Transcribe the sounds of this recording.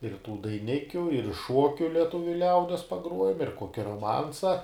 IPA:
ɪr tuː dɐɪˈnʲɪkʲʊ ɪr ˈʃuɔkʲʊ lʲɛˈtʊʋʲʊ ˈlʲɛʊdʲiɛs pɐˈɡruɔjɛm ɪr ˈkoːkʲɪ roːˈmɐnsɐ

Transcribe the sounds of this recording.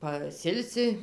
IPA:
pɐˈsʲɪlʲsʲɪ

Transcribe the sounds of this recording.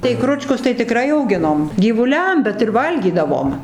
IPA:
tɐɪ ˈkrʊt͡ʃkʊs tɐɪ tʲɪˈkrɐɪ ɐʊˈɡʲɪnoːm ɡʲiːʋʊˈlʲɛm bʲɛt ɪr ˈʋɐlʲɡʲiːdɐʋoːm

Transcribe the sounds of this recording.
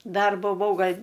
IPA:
ˈdɐr bʊˈʋɐʊ ˈɡɐlʲ

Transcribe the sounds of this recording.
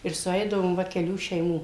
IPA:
ɪr sʊˈɛɪdɐʋoːm ˈʋɐ kʲɛˈlʲuː ʃʲɛɪˈmuː

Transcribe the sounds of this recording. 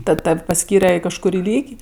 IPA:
ˈtɐt ˈtɐw pɐˈsʲkʲiːrʲɛ ɪ kɐʃkʊˈrʲiː ˈlʲiːkʲ

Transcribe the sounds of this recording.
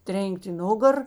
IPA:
ˈtʲrʲeːŋʲkʲtʲ ɪ ˈnʊɡɐr

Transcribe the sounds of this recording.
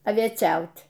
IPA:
ɐʋʲiɛˈt͡ʃʲɛʊt

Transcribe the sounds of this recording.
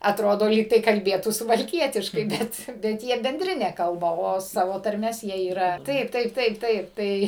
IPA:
ɐtˈroːdoː ˈlʲiːktɐɪ kɐlʲˈbʲeːtuː sʊʋɐlʲˈkʲiɛtʲɪʃkɐɪ ˈbʲɛt bʲɛt ˈjiɛ bʲɛnʲˈdʲrʲɪnʲɛ ˈkɐlˠbɐ oː ˈsɑːʋoː tɐrʲˈmʲɛs ˈjiɛ iːˈrɐ ˈtɐɪp ˈtɐɪp ˈtɐɪp ˈtɐɪp ˈtɐɪ

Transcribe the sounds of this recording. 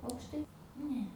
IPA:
ɐʊkʃˈtɐɪ ˈnʲɛ

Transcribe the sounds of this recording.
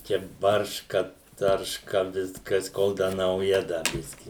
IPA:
ˈt͡ʃʲɛ ˈbɐrʃkɐ ˈtɐrʃkɐ ˈʋʲɪskɐs ˈkoːlˠ ˈdɐ nɐʊˈjɛ ˈdɐ ˈbʲɪsʲkʲɪ

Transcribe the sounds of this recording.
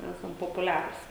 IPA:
ˈæːsɐm poːpʊˈlʲæːrʊs

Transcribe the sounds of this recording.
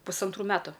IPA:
pʊsɐnˈtruː ˈmʲæːtʊ

